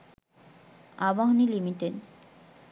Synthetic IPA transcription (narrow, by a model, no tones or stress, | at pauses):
abaɦnilimiʈen